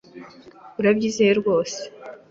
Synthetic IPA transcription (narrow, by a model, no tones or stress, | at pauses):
uɾabɟizejeɾɡo̞ːse̥